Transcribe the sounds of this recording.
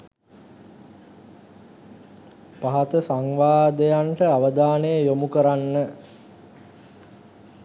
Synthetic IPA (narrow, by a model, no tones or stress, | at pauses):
paɦat̪əsaŋʋaːd̪ejaɳʈəaʋəd̪aːnejəjomukəɾanːə